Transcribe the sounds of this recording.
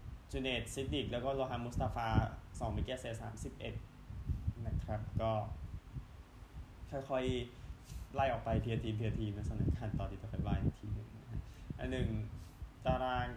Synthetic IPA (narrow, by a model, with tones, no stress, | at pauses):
t͡ɕuː˧neː˨˩t̪̚si˦˥t̪̚di˨˩k̚lɛː˦˥wkɔː˥˩loː˧ɦa˧˥mu˦˥st̪aː˧faː˧sɔː˩˦ŋmi˦˥˩kɛː˥˩seː˧˩sa̰ː˩˦msi˨˩p̚ʔe˨˩t̪̚ | na˦˥kʰɾa˦˥p̚kɔː˥˩ | t̪ʰa˥˩kʰɔ˧˩j | la˧˩jʔɔː˨˩k̚pa˧jt̪ʰi˧t̪ʰiː˧p̪ʰi˧ɐ˧t̪ʰiː˧na˧˦˥sa˧naː˨˩˦kʰaː˧˩nt̪ɔː˧nʰiː˧t̪t͡ɕa˧kʰɔ˧˩laː˧˩ja˧˩t̪ʰiː˧nɯ˨˩ŋna˦˧˥kʰa˦˥ʔa˧˨nːɯ˨˩ŋt̪aː˧ɾaː˧ŋ